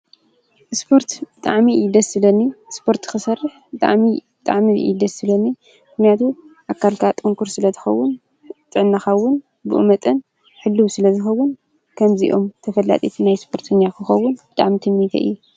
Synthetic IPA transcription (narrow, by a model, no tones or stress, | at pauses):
ʔɨspʰo̞ɾt̪bɨt̪ʼa̰ʕmid̪ɐsɨlɐnːispʰo̞ɾt̪ɨ̥kɨsɐrːɨħbɨt̪ʼa̰ʕmibɨt̪ʼa̰ʕmiʔḭd̪ɐsːɨlɐnːi | mɨxnijat̪ʰuʔakʰːalkʰat̪ʼɨŋkʰuɾsɨlɐt̪ʰɨ̥xɐwːʊn | t̪ʼɨʕɨnːaxɐwːʊn | bɨ̰ʔmɐt̪ʼɐn | ħɨlːɨβsɨlɐzɨxɐwːʊn | kʰɐmziʔo̞̰mt̪ʰɐfɐlːa̰t̪ʼit̪ʰnajspʰo̞ɾt̪ʰɐɲːakʰɨxɐwːʊnbɨt̪ʼa̰ʕmit̪ʰɨmːit̪ʰɐ̰ʔɨ̰ju